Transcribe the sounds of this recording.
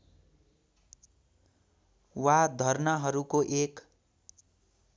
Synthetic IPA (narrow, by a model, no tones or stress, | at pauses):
wad̪ʱʌrnʌɦʌɾukoʔek